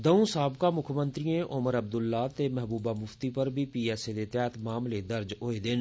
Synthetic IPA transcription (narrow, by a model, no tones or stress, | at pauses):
d̪əũːsaːbkaːmʊkʰmə̃nt̪ɾijẽʔʊməɾəb̚d̪ʊlːaːt̪eːmɛɦbuːbaːmʊft̪iːpəɾbʱiːpiːɛːsed̪eːt̪ɛːt̪maːmled̪əɾd͡ʒɦoːeːd̪ɪn